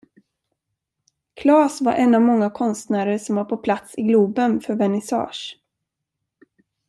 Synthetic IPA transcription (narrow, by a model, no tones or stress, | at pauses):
kʰlɑːsva̰ɾʔɛnːavmɔŋːakʰɔnst̪næːɾəʂɔmvaɾpʰɔpʰlat̪sɪɡluːbənfœɾvɛnɪsɑ̰ːʂ